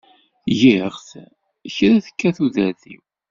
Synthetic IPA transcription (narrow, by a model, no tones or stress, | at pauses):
jɪʁθ | çɾæθə̥kːæθuðæðḭw